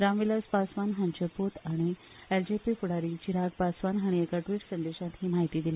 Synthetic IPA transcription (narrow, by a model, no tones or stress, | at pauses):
ɾamʋilaspasʋanɦaɲt͡ɕəpot̪aɽ̃i | eld͡ʑepifuɽaɾit͡ɕiɾaɡpasʋanɦaɽ̃iekaʈʋiːʈsənd̪eɕãt̪ɦiːmaɦit̪iːd̪ile